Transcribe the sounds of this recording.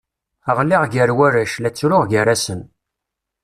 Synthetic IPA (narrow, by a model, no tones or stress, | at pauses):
əʁliʁɡəɾwæɾæʃlæt͡sːɾʊʁɡəɾasən